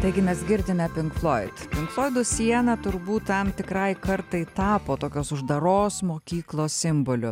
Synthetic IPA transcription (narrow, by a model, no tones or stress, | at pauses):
t̪ɐɪɡʲɪmʲɛsɡʲɪɾʲd̪ʲɪmʲɛpʲɪŋkflˠoːɪt̪pʲɪŋkflˠoːɪd̪ʊsʲiɛnɐt̪ʊɾbuːt̪tɐmt̪ʲɪkɾɐɪkɐɾt̪ɐɪt̪ɑːpoːt̪oːkʲoːsʊʒd̪ɐɾoːsmoːkʲiːklˠoːssʲɪmbolʲʊ